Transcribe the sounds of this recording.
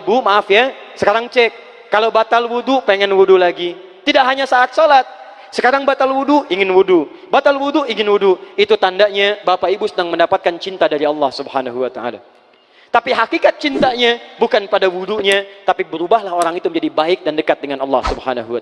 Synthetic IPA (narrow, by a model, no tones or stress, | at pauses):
bumaːfjasəkaɾaŋt͡ʃɛkː | alowbat̪alwudupeŋɛnwudulaɡi | t̪ːidaʔɦaɲasaːt̪̚solat̪̚ | səkaɾaŋbat̪alwuduiŋɪnwudu | bat̪alwuduiŋɪnwuduit̪ut̪andaʔɲabapaibusədaŋməndapat̪̚kant͡ʃint̪adaɾiɑlːɑhsubhanaɦuwat̪aa̰la̰ | t̪apiɦakikat̪̚t͡ʃint̪aɲabukanpadawuduɲat̪apibəɾubaɦlahoɾaŋit̪uməɲd͡ʒadibaɪk̚dandəkat̪̚dəŋanɑlːɑhsubhanaɦua